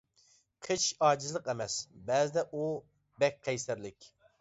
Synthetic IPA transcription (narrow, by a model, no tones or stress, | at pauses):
qʰət͡ʃʰɑːd͡ʒɪzlˠəqɛmɛsbɛzɪd̪ɛʔu | bɛk̚ʲqʰɛjsæɾlɪkʲ